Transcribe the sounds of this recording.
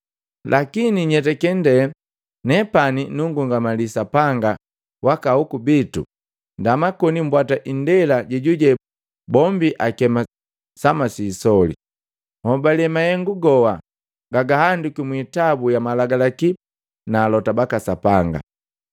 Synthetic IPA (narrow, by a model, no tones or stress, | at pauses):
lʔakiniɲɛt̬ɛkɛndɛ | nɛpaninuŋɡuŋɡamalisapaŋɡa | wakaukubitṵ | ndamakɔnim̩bwataʔindɛlaɟiɟuɟɛ | bɔmbiʔakɛma | samasisɔlḭ | hɔbalɛmajɛŋɡuɡɔwa | ɡaɡahandukimwitabujamalaɡalaki | naːlɔtabakasapaŋɡa̰